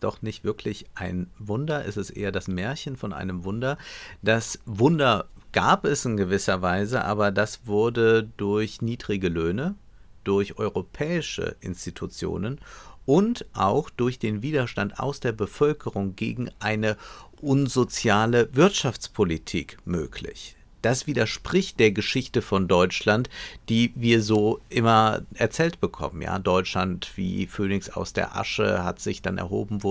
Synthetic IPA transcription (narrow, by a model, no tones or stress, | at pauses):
d̥ɔ̰χnɪçtv̥ɪɐkʰlɪçʔaɪnvʊndɐʔɛstɛstʔḛːɐdasmɛːɐçənfɔnʔa̰ɪnəmvʊndɐd̥asvʊndɐɡ̥aːpɛsɪnɡəvɪsɐvaɪzəʔa̰ːbɐdasv̥ʊɐdədʊɐçniːdʁɪɡəløːnə | d̥ʊɐçʔɔʏʁopʰɛːɪʃə̰ʔɪ̰nstitʰut͡sjo̰ːnənʔʊntʔa̰ʊxd̥ʊɐçd̥eːnviːdɐʃtanta̰ʊsd̥eːɐbəfœlkʰəʁʊŋɡḛːɡŋ̩ʔaɪnəʔʊnzot͡sjaːləvɪɐtʃaft͡spʰolitʰiːkmø̰ːkʰlɪ̰ç | d̥asv̥iːdɐʃpʁ̥ɪçt̚d̥eːɐɡəʃɪçtəfɔndɔʏt͡ʃlantd̥iːviːɐzoːʔɪmɐʔɛɐt͡sɛːltb̥əkʰɔ̰mənja̰ːdɔʏt͡ʃlantv̥ḭːføːnɪçsa̰ʊsd̥ḛːɐʔa̰ʃə̰ha̰tz̥ɪçd̥anʔɛ̰ɐɦo̰ːbm̩vʊ